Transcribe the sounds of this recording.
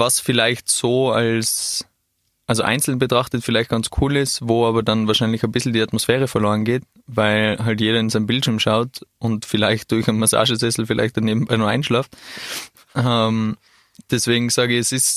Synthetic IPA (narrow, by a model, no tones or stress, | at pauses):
vasfɪlaɪçtsoːals | ʔalzoʔã̰ɪnt͡sl̩nbətʁ̥aχtətfɪlaɪçt̚ɡ̥ant͡skʰuːlɪstvoːaːbɐdanvaːɐʃaɪnlɪçanbɪszl̩diːatmosfɛːʁ̞əfɛɐloːʁənɡeːt | vaɪlɦaltjeːɾɐɪnzaɪnəmbɪltʃiɐmʃaʊtʔʊntfɪlaɪçt̚d̥ʊɐçaɪnmasa̰ːʒəzɛsl̩fɪlʔa̰ɪçt̚d̥aneːbm̩baɪnuːɐʔã̰ɪnʃlaːft | ʔɛm | d̥ɛsv̥eːɡŋ̩saːɡəɪçɛsɪs